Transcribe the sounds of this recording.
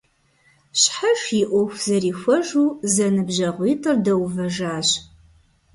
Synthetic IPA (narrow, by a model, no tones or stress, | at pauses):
ɕħaʂjiʔʷɔxʷz̥ɐriːxʷɔʒuːzɐnɨbʑɐʁʷiːtʰʼɨrdɐwvɐʒaːɕ